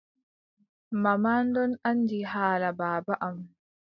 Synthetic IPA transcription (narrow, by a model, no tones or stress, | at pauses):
mamaːndɔnandihaːlabaːbaʔam